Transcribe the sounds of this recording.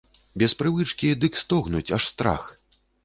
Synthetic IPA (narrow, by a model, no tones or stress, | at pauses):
bʲɛspɾɨvɨt͡ʂkʲid̪ɨkst̪ɔɣnut͡sʲaʂst̪ɾa̰x